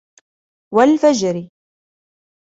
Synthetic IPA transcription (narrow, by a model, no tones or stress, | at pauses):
walfad͡ʒɾɪ